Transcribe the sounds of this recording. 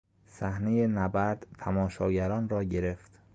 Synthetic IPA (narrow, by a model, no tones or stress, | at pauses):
sæhne̞jenæbæɾd̪̥t̪ʰæmɒːʃɒːɟæɾɒːnrɒːɟe̞ɾeft̪